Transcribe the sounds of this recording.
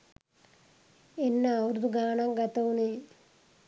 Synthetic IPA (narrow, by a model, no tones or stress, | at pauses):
enːaːʋuɾd̪uɡaːɳaŋɡɐt̪ɐwune